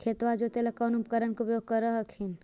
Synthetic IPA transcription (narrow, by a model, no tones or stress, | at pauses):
kʰeːt̪ʋad͡ʒot̪elɐkɔːnupkəɾənkeupjoːɡ̚kəɾəɦəkʰin